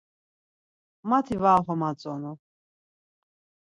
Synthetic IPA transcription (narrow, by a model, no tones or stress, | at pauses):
mat̪ʰivaːχɔmat͡sʼɔnɔ